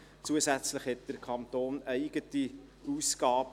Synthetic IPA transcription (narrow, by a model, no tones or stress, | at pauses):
t͡suəsæt͡sləχhɛt̚d̥əɾkʰɑnt̪oːnæɪɡ̥əti | uːsɡ̥ɑːb̥